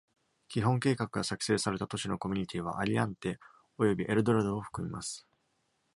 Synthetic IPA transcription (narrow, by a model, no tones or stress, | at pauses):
kʲiɦõ̞ŋke̞ːkakɯ̟ɡasakɯ̟̥se̞ːsaɾe̞t̪at̪o̞ɕino̞ko̞mʲiɲ̟it̪ʲiːβ̞a̰ʔaɾʲiãnt̪e̞ | o̞jo̞bʲiʔeɾɯ̟d̪o̞ɾad̪oːɸɯ̟̥kɯ̟mʲimasɨ̥